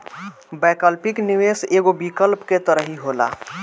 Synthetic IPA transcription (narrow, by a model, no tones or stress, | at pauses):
bɛkəlpikniweseɡobikəlpket̪əɾəɦiɦola̰